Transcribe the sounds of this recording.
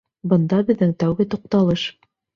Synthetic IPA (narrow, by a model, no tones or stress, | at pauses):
bɤ̆nd̪ɑbɘ̆ðːɘŋt̪æwɡɘt̪ŏq̚t̪ɑlˠɤʃ